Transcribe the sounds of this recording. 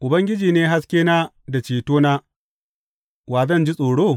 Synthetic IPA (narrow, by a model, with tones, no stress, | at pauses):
ʔʊ˨bɐ˦ŋɡʲɪ˦d͡ʒiː˨neː˦ɦa˦skʲeː˦naː˦ | da˨t͡ʃiː˨toː˦na˦ | waː˨zɐ˦˨nd͡ʒi˦sʼoː˨ɽoː˦˨